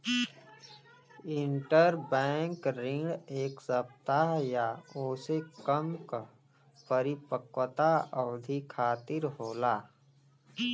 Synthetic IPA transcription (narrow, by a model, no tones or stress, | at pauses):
ɪ̃ɳʈəɾbɛ̃ːŋkɾɪ̃ŋɖeːksəb̚t̪aɦjaoːsekəmk | pəɾipəkwət̪aəʋd̪ʱikʰaːt̪ɪɾɦoːlaː